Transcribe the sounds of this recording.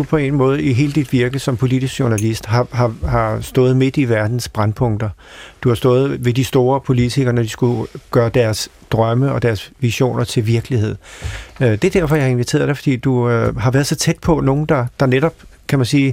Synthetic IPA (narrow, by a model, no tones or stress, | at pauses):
d̥upʰɒ̽e̝̰nmɔ̽ːð̞̩ˠiɦe̝ːləd̥id̥ʋiɐɡ̥ð̩ˠsɒ̽mpʰo̝lid̥isɡɕo̝nælisd̥ɦɑɦɑ̈hɑ̈sd̥ɔ̽ːð̩ˠme̝d̥iʋæɐd̥n̩sb̥ʁanpʰɔ̽ŋ̰d̥ɐd̥uhɑ̈sd̥ɔ̽ːð̞̩ˠʋe̝disd̥o̝ːɐpʰo̝lit͡sʰiɡ̥ɐnɒd̥isɡ̥uɡ̥ɶːɐd̥æɐs | d̥ʁɶməɒ̽d̥æɐsʋiɕo̝̰ːnʔɐt͡sʰe̝lʋiɐɡ̥əlihe̝ð̰ˠ | d̥e̝d̥æɐ̰fɒ̽jɑhe̝nʋit͡sʰe̝̰ːɐðˠd̥eɪfɒ̽d̥ḭːd̥uɦɑ̈ʋæːɐð̞ˠsɒ̽t͡sʰed̥̚pʰɒ̽no̝ːn̩d̥ɑ̈d̥ɑ̈neɾ̥ɒ̽b̥ | kʰæmænsiː